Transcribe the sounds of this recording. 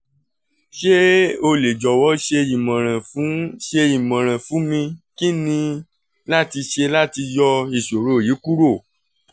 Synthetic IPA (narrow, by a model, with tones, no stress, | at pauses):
ʃe˦o˧le˨d͡ʒɔ˨wɔ˨˦ʃe˧ji˨mã˨ɾ̃ã˨fũ˨˦ʃe˧i˨mã˨ɾ̃ã˨fũ˨˦mĩ˧ki˦nĩ˧ | la˦ti˧ʃe˧la˦ti˧jɔ˧i˦˨ʃo˨ɾo˨˦˨ji˨˦ku˦ɾo˦˨